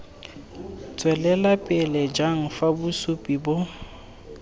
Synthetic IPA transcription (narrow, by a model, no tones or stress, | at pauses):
t͡sʼwɛlɛlapʼɪlɛd͡ʒaŋ̩fabʊsupʼibʊ